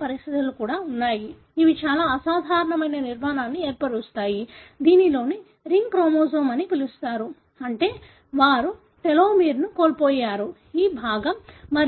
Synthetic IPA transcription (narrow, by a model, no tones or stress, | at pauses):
pɐɾist̪it̪ulukuːɽaːunːaːjiː | ʋit͡ʃaːlaːɐsaːd̪ʱaːɾɐɳɐmɐjnɐniɾmaːnaːnːieːɾpɐɽust̪aːjid̪iːnilo̞ːni | ɾiŋɡkɾoːmoːzɐmɐnipilust̪aːɾu | ɐɳʈe̞ː | ʋaːɾu | t̪eloːmiːɾunukoːlpoːjaːɾu | iːbʱaːɡɐmːɐɾ